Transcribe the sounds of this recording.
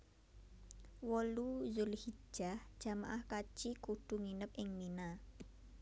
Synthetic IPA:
wɔluzʊlhi̥d͡ʒʒ̥ahʒ̥a̤ma̰ʔahkat͡ʃikuɖ̥ṳŋinəp̚ʔɪŋmina

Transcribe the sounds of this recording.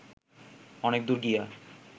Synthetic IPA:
ɔnek̚d̪uɾɡija

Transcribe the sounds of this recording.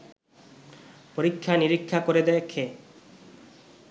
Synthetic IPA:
poɾikʰːaniɾikʰːakoɾed̪ɛekʰe

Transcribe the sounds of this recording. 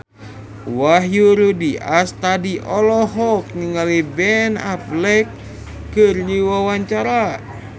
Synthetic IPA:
waɦjuɾudiast̪adiʔɔlɔɦɔk̚niŋalibɛnaplɛkː | ɨrɲiwawaɲt͡ʃaɾa

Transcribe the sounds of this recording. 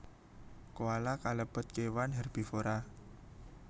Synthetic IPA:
kuwalakaləb̥ə̤t̪̚kewanɦɛrb̥i̤foɾa

